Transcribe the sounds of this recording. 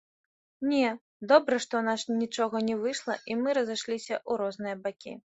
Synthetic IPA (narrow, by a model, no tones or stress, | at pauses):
nʲɛ | d̪ɔbɾɐʂt̪ɔwnasnʲit͡ʂɔɣɐnʲɛvɨʂlˠɐ̰ʔimɨɾɐzaʂlʲisʲɐʔuɾɔznɨjɐbakʲḭ